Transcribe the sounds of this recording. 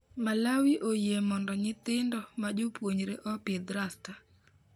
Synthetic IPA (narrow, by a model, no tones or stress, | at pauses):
malawiʔojemɔndɔɲɪt̪ɪndɔmad͡ʒopwoɲɾeʔɔped̪ɾasta